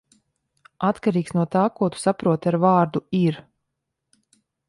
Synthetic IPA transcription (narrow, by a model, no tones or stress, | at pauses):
at̪kaɾiːksnuɔt̪aːkuɔt̪u̥sapɾuɔt̪aɾvɑːɾd̪uiɾ